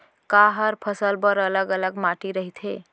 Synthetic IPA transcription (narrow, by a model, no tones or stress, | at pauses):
kaɦəɾpʰəsəlbəɾələɡələɡmaʈiɾəɦit̪ʰɦe